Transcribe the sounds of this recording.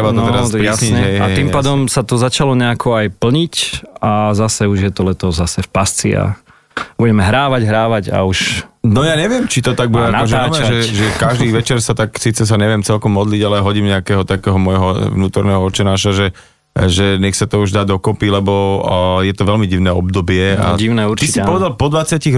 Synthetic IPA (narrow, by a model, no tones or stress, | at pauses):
baɔt̪ɛɾasasɲiɛɦɛaj̪impaːd̪ɔmsat̪ɔzat͡ʃalɔɲɛakʰɔajpl̩ɲicazasɛuʒjɛt̪ɔlɛt̪ɔzzasɛfpast͡sia̰ | buɟɛmɛɦɾaːʋaɟɦɾaːʋaɟa̰uʃnɔjaːɲɛʋɪɛmt͡ʃit̪ɔt̪aɡ̚buɛaɔʒɛʒɛʒɛkaʒd̪iːʋɛt͡ʃɛɾsat̪aksiːt͡sɛs̬aɲɛʋɪɛmt͡sɛlkɔmːɔd̪liɟalɛɦɔɟimɲɛakɛːɦɔt̪akɛːɦɔmɔjɦɔvnuːt̪ɔɾnɛɦɔɔt͡ʃɛnaːʃaʒɛ | ʒɛɲɛxsat̪ɔuʒd̪aːd̪ɔkɔpilɛbɔjɛt̪ɔʋɛlmiɟiʊnɛːɔb̚d̪ɔbɪɛa̰ɟiʊnɛuɾt͡ʃ̪isipɔʋɛd̪alpɔd̪ʋat͡sɪaciɣ